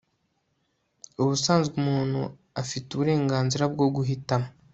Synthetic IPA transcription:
uβusaːnzɡumuːn̥hu | afituβuɾe̞ːŋɡaːnziɾab̚ɡo̞ɡuɦitamo

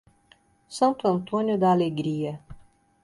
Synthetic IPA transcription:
sant̪uɐnt̪onʲijud̪əalʲeɡɾʲije

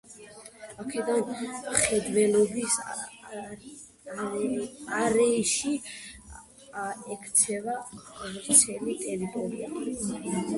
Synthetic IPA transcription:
akʰɛd̪anχɛd̪vɛlˠɔbis | aɾɛʃi | ɛkʰt̪sʰɛvavt̪sʰɛlit̪ʼɛɾit̪ʼɔɾia

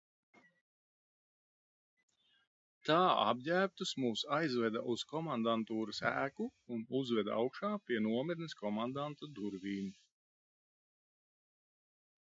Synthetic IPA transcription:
t̪aːa̰b̚jæːp̚t̪usmuːsajzvɛd̪ɐʔuzkɔmand̪ant̪uːɾɐsæ̰ːkuːnuzvɛd̪a̰wkʃaːpʲiɛnuɔmiɾnɨskɔmand̪ant̪ud̪uɾviːnu

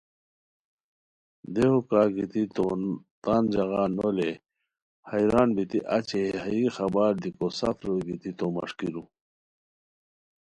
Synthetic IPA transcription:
d̪ehukaːɡit̪it̪ot̪aːnd͡ʑɐɣaːnole | hɐjɾaːnbit̪iʔat͡ɕehɐixɐbaɾd̪ikosɐfɾoɡit̪it̪omɐ̰ʂkiɾu

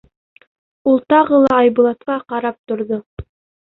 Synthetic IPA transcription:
ulˠt̪ɑʁɤlˠɑːjbŭlˠɑt̪̚qɑqɑɾɑp̚t̪ŏɾðo

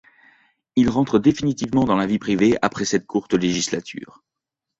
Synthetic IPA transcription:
ilʁɑ̃t̪χəd̪efinit̪ivmɑ̃d̪ɑ̃lavipχiveapχɛsɛt̪̚kʰuʁt̪leʒislat̪ʰy̰ːʁ

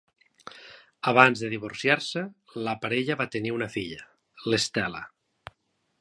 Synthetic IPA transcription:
aβanzðəðiβ̞uɾsjaɾsə | ləpaɾeʎəβat̪əniunəfiʎə | lest̪ɛlə̰

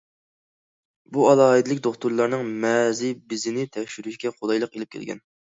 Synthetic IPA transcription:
buɑlˠɑːɨd̪ɪlˠɪkʲd̪oχt̪uɾlˠɑɾnɨŋmɛzɪbɪzɪnɪt̪ʰɛkʲʃyɾyʃɡʲɛχod̪ɑjlˠəqelɪp̚kʲʰɛ̰lɡʲɛ̰n

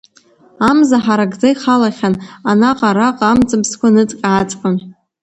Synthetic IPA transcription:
amzaħaɾaɡd͡zajχalaχʲananaqʼaɾaqʼamt͡sʼɨbskʷʰanɨt͡sʼkʲʼʕat͡sʼqʼan

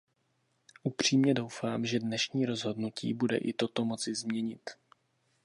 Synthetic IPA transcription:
ʔupr̝̥iːmɲɛdo̞wfaːmʒɛdnɛʃɲiːɾo̞zɦo̞dnucʰḭːbudɛ̰ʔɪt̪o̞t̪o̞mo̞t͡sɪzmɲɛɲɪt̪

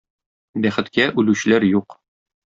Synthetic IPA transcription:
bæχɘ̆t̪kæʔʉlʉɕɘ̆læɾjuq

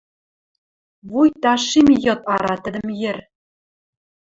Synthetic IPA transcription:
βujt̪ɑʃimjɤ̆t̪ɑɾɑt̪ɘ̆d̪ɘ̆mjɘ̆r

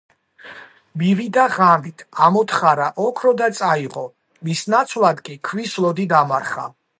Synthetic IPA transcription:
mivid̪aʁamit̪ʰamɔt̪ʰχaɾaʔɔkʰɾɔd̪at̪sʼaiʁɔ | misnat̪sʰvlˠad̪kʼikʰvislˠɔd̪id̪amaɾχa̰

